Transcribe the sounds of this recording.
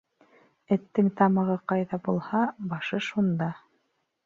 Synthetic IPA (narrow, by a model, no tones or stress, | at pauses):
ɘ̆t̪ːɘŋt̪ɑmɤ̆ʁɤqɑjðɑbulˠhɑbɑʃɤʃund̪ɑ